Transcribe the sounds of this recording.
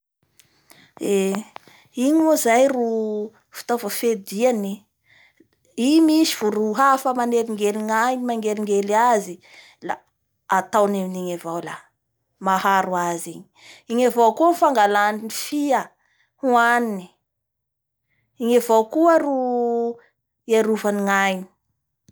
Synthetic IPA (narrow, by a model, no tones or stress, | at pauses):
e | iɲimuzajru | fi̥t̪avofed̪iani | imisivuɾuɦafəmaneɾiŋɡeliŋaɲimaŋɡeliŋɡeliazi | la̰ | at̪awneminiɲevawla̰ | mahaɾuaziɲiiɲavowkufaŋɡalaninifia | huanini̥ | iɲavowkuaru | iaɾuvaniŋajni̥